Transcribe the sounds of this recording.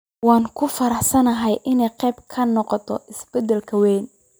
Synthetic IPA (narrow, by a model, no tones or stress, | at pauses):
wɑːŋkʰʊfɐɾɑħsɐnɐɦɛjʔɪnɛjqɛjbkʰɐnɔqɔt̪ʰɔ̰ʔɪsbɛd̪ɛlkʰɐwɛːn